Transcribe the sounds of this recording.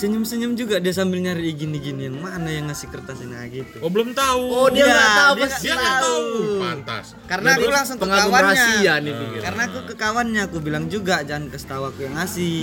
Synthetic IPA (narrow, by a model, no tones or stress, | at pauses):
səɲəmsəɲumd͡ʒuɡadias̬ambɪlɲaɾiːɡiniɡinjaŋmanajaŋːasikərt̪asinaɡit̪uobəlomt̪auodiaat̪audasaaunt̪a̰s | kaɾənakulaŋsʊŋkəŋaauwaɾaɲasianipikikaɾənaːkukəkawanɲaːkubilaŋd͡ʒuɡad͡ʒaankəst̪awakujaŋasɪ